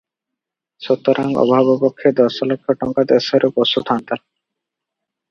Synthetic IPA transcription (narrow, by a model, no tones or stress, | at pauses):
ʃot̪ːoɾʔaŋɔ̰bʱabobokʰːed̪ɔsɔlokʰːoʈɔŋkad̪esoɾeposut̪ʰant̪a